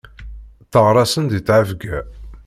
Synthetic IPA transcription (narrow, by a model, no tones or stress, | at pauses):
θəʁɾˤɑsənd̪it͡sːʕəvɡæ